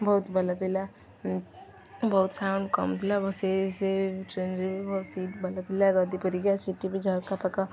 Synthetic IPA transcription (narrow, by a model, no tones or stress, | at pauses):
bɐɦʊt̪bɐlat̪ila | bɐɦʊt̪saːʊ̃ɳɖkɐmt̪ilabɐseseʈɾeːnɾibibɔt̪siːʈbɐlat̪ilaɡad̪ipəɾiɡjasiʈibid͡ʒʱaɾkapɐka